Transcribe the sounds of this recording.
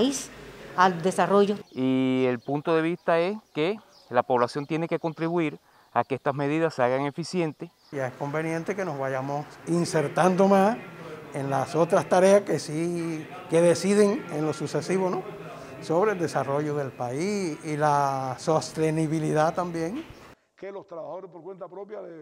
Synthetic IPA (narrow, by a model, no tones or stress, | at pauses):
isald̪e̞saroʝoie̞lpunt̪o̞ðeβ̞ist̪ae̞ske | lapo̞βlasjo̞nt̪je̞ne̞ke̞ko̞nt̪ɾiβuiɾ | akeest̪asme̞ðiðasaɣaŋe̞fisje̞nt̪e | ʝae̞sko̞mbe̞nje̞nt̪e̞ke̞no̞zβaʝamosinse̞ɾt̪and̪o̞mãse̞nlaso̞t̪ɾast̪aɾe̞askesi | ke̞ðe̞siðeŋenlo̞suse̞siβono | so̞βɾe̞ld̪e̞saro̞ʝo̞ðe̞lpaisilaso̞st̪e̞niβiliðat̪ambje̞ŋ | ke̞lo̞st̪ɾaβahaðoɾepo̞ɾkwe̞nt̪apɾo̞pjaðe